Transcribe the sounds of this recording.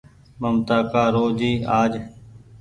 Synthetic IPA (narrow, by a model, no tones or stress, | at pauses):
məmt̪aːkaːɾoːd͡ʒiːaːd͡ʒ